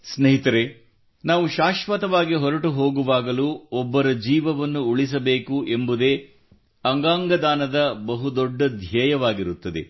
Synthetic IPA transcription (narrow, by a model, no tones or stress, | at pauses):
snɐɦit̪ɐɾe | naːʋuʃaːʃʋɐt̪ɐʋaːɡiɦɔɾɐʈuɦo̞ːɡuʋaːɡɐluɔbːɐɾɐd͡ʒiːʋɐʋɐnːuuɭis̬ɐbe̞ːkuʔe̞mbud̪e̞ː | ɐŋɡaːŋɡɐd̪aːnɐd̪ɐbɐɦud̪ɔɖːɐd̪ʱjɛːjɐʋaːɡiɾut̪ːɐd̪ḛ